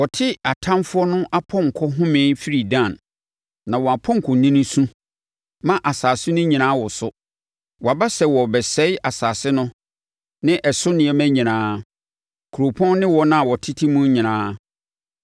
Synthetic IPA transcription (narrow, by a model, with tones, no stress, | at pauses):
wɔ˨tʰɪ˦a˨tʰã˦mfʊ˦ɔ˦nʊ̃˦ʔa˦pʰɔ̃˦ŋ̩˨kʰɔ˦ɦʊ̃˦mɪ̃˨˦fi˦ɾi˨dã˦˨nː | ã˨wɔ˨a˨pʰɔ̃˦ŋ̩˨kʰɔ˨nĩ˦nĩ˦sũ˦ | mã˦ʔa˨saː˨sʊ˦nʊ̃˦ɲĩ˨nãː˦wɔ˨sʊ˦ | wɔ˨a˨ba˦sɛ˨wɔ˨bɛ˨sɛ˦ɪ˦a˨saː˨sɪ˦nʊ̃˦ | nɪ̃˦ʔɛ˨sʊ˦nɪ̃˨˦ɛ˦mæ̃˦ɲĩ˨nãː˨˦ | kʰu˨ɾo˨pʰɔ̃˦nnɪ̃˦wɔ˦nã˦˨wɔ˨tʰɪ˦tʰɪ˦mũ˦ɲĩ˨nãː˦